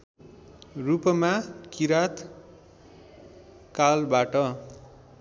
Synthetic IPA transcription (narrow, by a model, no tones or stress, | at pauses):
rupʌmakiɾat̪ | kalbaʈʌ